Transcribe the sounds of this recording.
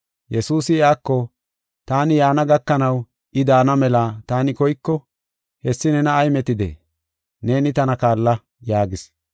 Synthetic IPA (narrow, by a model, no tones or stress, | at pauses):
jɛsuːsɪjaːkːɔ | t̪aːnɪjaːnɐɡɐkːɐnɐw | ɪd̪aːnɐmɛlɐt̪aːnɪkɔjkːɔ | hɛsːɪnɛnɐːjmɛt̪ɪd̪ḛː | ne̞ːnɪt̪ɐnɐkaːlːɐ | jaːɡɪs